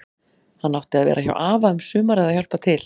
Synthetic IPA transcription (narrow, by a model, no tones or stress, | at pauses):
hanːawht̪ɪaðvɛ̰ːɾʔaça̰wʔaːvaʏmsʏːmaɾɛðaçjœl̥pat̪ʰɪl̥